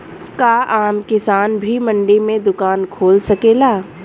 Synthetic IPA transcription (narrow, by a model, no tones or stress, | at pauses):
kaːʔaːmkɪsaːnbʱimɐ̃ɳɖemẽd̪ʊkaːnkʰoːlsɐkeːlaː